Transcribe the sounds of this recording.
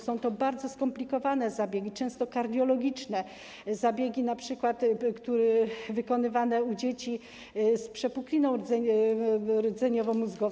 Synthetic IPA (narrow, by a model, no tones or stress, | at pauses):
sɔ̃w̃t̪ɔbaɾd̪zɔskɔmplʲikɔvanɛzabʲjeɡʲit͡ʂɛ̃w̃st̪ɔkaɾd̪ʲjɔlɔɡʲit͡ʂnɛ | zabʲjeɡʲinapʂɘkwat̪kt̪uɾɛvɘkɔnɘvanɛud͡ʑet͡ɕi | spʂɛpuklʲinɔ̃w̃ɾɛ | ɾd̪zɛɲɔvɔ̃muzɡɔ